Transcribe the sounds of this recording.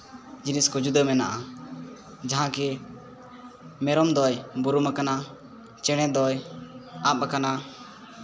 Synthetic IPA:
d͡ʒiniskud͡ʒud̪əmɛna̰ʔa | d͡ʒaɦãkɛ | mɛɾɔmd̪ɔjbuɾumakana | t͡ʃɛɽ̃ɛd̪ɔjap̚kana

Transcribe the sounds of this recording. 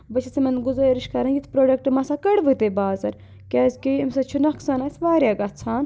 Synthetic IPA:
bɐt͡ʃʰɐsimɐnɡuzɐɾiʃkɐɾɐnjit̪ʰpɾoːɖɐkʈmɐsakɐɽʋɨt̪ebaːzɐɾ | kʲaːzʲkiimsɐt͡ʃʰunɐksaːnaːsʋaːɾjaːɡɐt̚t͡sʰaːn

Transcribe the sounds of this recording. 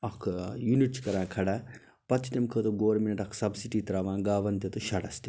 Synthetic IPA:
ɐkʰjuniʈskɐɾãːkʰɐɽaː | pɐt͡ʃʰʈemkʰət̪oɡoːɾminɐʈɐkʰsɐbsiʈiːt̪ɐɾaːʋãːɡaːʋɐnt̪et̪uʃɐɽɐst̪i

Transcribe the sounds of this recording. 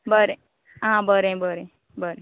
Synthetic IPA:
bəɾe | ɦãbəɾẽbəɾe | bəɾe

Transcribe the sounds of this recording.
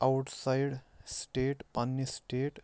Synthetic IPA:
awʈsajɽsʈeʈpanːisʈeːʈ

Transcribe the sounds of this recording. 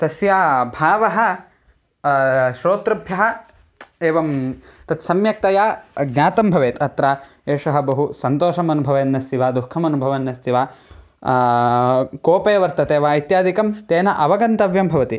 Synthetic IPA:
t̪ɐsjaːbʱaːʋɐɦɐ̆ | ʃɾoːt̪ɾɐbʱjɐɦɐ̆ | eːʋɐmt̪ɐt̪sɐmjɐk̚t̪ɐjaːɡnʲaːt̪ɐmbʱɐʋeːt̪ʰɐt̪ɾaː | eːʂɐɦɐ̆bɐɦusɐnt̪oːʃɐmɐnubʱɐʋeːnːɐst̪iʋaːd̪ukʰːɐmɐnubʱɐʋɐnːɐst̪ʰiʋaː | koːpejɐʋɐɾt̪ɐt̪eːʋɐɐjt̪jaːd̪ʱikɐmt̪eːnɐʔɐʋɐɡɐnt̪ɐʋjɐmbʱɐʋɐt̪i

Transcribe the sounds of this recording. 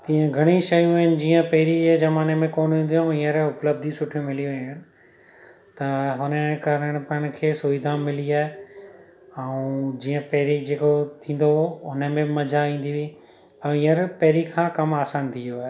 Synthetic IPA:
t̪ĩːə̃ɡʱɐɽ̃iʃɐjũaːɦɪnɪ̆d͡ʑiːə̃pɐɦɾid͡ʑeːzɐmaːnemẽkoːnʋĩːnd̪iãĩːə̃ɾʊpləb̚d̪ʱisʊʈʰjomɪlijoʋeɲʊnɪ̆ | t̪ɐɦʊnəkaɾəɽ̃pɐɪɽ̃ɪ̆kʰeːsʊːʋɪd̪ʱãmɪliaːɦe | ɛ̃ũd͡ʑiːə̃pɛɦɪɾid͡ʑeːkot̪ʰĩːn̆d̪oʊnə̆mẽmɐd͡ʑʱaʋĩːn̆d̪iʋi | ɛ̃ĩːəɾpɐɦɾikʰãkɐmaːsaːnt̪ʰijoaːɦe

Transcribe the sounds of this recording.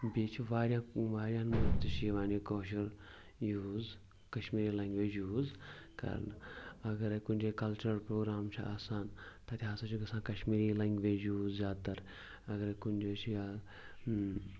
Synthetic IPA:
biːt͡ʃʰiʋaːɾjãːʋaːɾʲjãːnmut̪ɨʃiʋaːnikoːʃ̬ɐɾ | juːz | kɐʃmiːɾiːlɐŋɡʋeːd͡ʒuːzkɐ̰ɾnɐɡɐɾkunʲd͡ʒekɐlt͡ʃəɾpɾoːɡɾaːmt͡ʃʰiʔaːsaːnt̪ɐt̪ʰiɦaːsɐt͡ʃʰuɡɐsãːkɐʃmiːɾiːlɐŋɡʋeːd͡ʒuːzzʲjaːd̪̚t̪ɐɾ | ɐɡɐɾkunʲd͡ʒoːt͡ʃʰia

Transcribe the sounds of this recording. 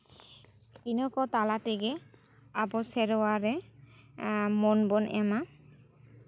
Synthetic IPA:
kinɔkɔt̪alat̪eɡɛ | apɔsɛɾɔwaɾɛ | mɔnbɔnɛma

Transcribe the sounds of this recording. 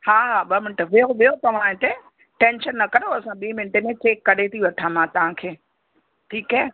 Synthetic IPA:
haːɦaɓɐmɪnʈəʋijoʋijot̪ɐʋ̤ãẽt̪e | ʈẽːnʃənːɐkɐɾoɐsãɓiːmɪ̃ɳʈemẽt͡ɕeːkːɐɗet̪ʰiʋɐʈʰãmãt̪ɐʋ̤ãkʰeː | ʈʰiːkɦɛː

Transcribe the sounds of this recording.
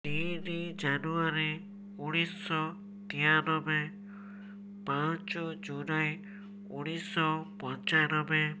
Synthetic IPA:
t̪iɾid͡ʒanuaɾi | uɽ̃isɔ | t̪iaɾɔbe | pãt͡ʃɔd͡ʒulaj | uɽ̃isɔpɔɾt͡ʃaɾɔbe

